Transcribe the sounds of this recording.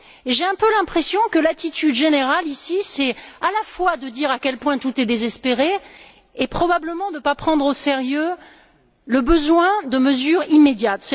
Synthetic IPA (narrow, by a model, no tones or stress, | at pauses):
eʒeɛ̃pølɛ̃pχesjɔ̃kəlat̪it̪yd̪ʒeneʁalisisɛalafwad̪əd̪iʁakʲɛlpwɛ̃t̪ut̪ɛd̪ezɛspeʁeː | pχɔbabləmɑ̃d̪əpapχɑ̃d̪ʁoseʁjø | ləbəzwɛ̃d̪əməzyʁimed̪jat̪sɛ